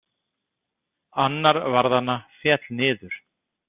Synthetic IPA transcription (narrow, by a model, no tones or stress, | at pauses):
anːaɾvaɾðanːafjɛt̪lnɪːðʏɾ̥